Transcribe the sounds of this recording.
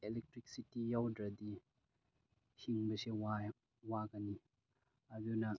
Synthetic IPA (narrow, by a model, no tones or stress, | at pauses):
elɛk̚tɾik̚sitijawdɾɐd̪i | hiŋbɐsewaj | wakani | ɐd̪una